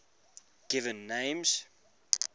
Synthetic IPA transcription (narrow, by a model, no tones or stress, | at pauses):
ɡ̥ɪvə̃nːẽɪ̃mz̥